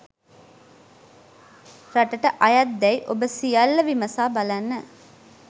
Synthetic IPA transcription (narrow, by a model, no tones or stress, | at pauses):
ɾɐʈɐʈɐʔɐjɐd̪ːɛjʔobəsijɐlːɐʋimɐsaːbɐlɐnːə